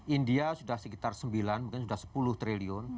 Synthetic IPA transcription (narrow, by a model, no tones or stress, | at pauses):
ʔindiasudahsəkit̪arsəmbilanmukɲans̬udahsə̥pulʊht̪ɾeliɔn